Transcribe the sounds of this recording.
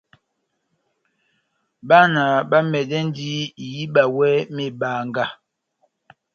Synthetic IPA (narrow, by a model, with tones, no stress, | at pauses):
ba˦na˨ba˦mɛ˨dɛ˦n˦di˦˨ji˦ba˨wɛ˦me˨ba˨ŋ˦ɡa˦˨